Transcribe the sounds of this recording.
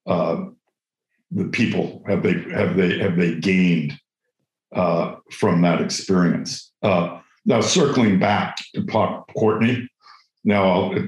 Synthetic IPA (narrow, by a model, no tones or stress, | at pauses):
ʌ | ðɨpʰipl̩ˠhɨvðeɪɨvðeɪhɨvðeɪɡẽɪ̃nd̥ | ʌfɹʌ̃mðəɾɨkspɪɹiɨ̰̃nsʌ | naʊsɜ˞kl̩ˠɪ̃ŋbæk̚tʰɨpʰɑkʰɔɹʔni | naʊaɪlˠɪ